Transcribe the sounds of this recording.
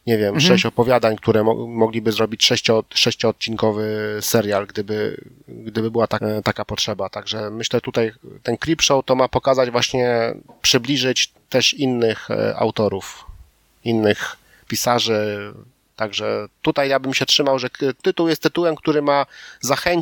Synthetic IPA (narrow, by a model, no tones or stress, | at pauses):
ɲɛvʲjɛmʂɛɕt͡ɕɔpɔvʲjad̪aɲkt̪uɾɛɔ̰mɔɡlʲibɘzɾɔbʲit͡ɕʂɛɕt͡ɕɔʂɛɕt͡ɕɔːt̪̚t͡ɕiŋkɔvɘsɛɾjalɡd̪ɘbɘ̰ | ɡd̪ɘbɘbɘwat̪at̪akapɔtʂɛbat̪aɡʐɛmɘɕlɛt̪ut̪ajt̪ɛnkɾʲipʂɔwt̪ɔmapɔkazad͡ʑvwaɕɲɛpʂɘblʲiʐɘt͡ɕ | t̪ɛʂinːɘxa̰wt̪ɔɾuf | inːɘx | pʲisaʐɘ | t̪aɡʐɛt̪ut̪ajjabɘmɕɛtʂɘmawʐɛt̪ɘt̪uwjɛst̪ːɘt̪uwɛmk̚t̪uɾɘmazaxɛɲ